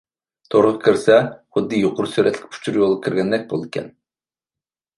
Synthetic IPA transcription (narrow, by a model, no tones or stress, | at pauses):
t̪ʰoɾʁəkʰʲiɾsɛχʊd̪ːɨjoqʊɾsyɾɛt̪ʰlʲɪ̥kʲpʰu̥t͡ʃʰuɾjolˠəkʲʰiɾɡʲɛnd̪ɛk̚ʲbo̰lˠd̪ikʲʰɛ̰n